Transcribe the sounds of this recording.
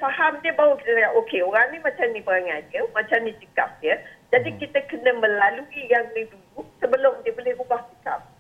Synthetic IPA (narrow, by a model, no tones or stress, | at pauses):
faɦamdiəbawukit̪əkajaʔokeoɾaŋnĩmat͡ʃamnipəɾaŋaniəmat͡ʃamnit͡ʃəka̰p̚dəd͡ʒadikit̪əkənəmə̃laluijaŋnĩduduʔsəbəlʊmdiəbolɛhrubaht͡ʃəka̰p̚